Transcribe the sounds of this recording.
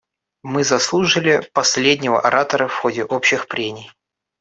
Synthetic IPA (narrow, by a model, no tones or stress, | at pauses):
mɨzɐslˠuʐɨlʲɪpɐsʲlʲedʲnʲɪvə̰ʔɐɾʔat̪əɾəfxo̞dʲɪʔopɕːɪxpɾʲenʲɪj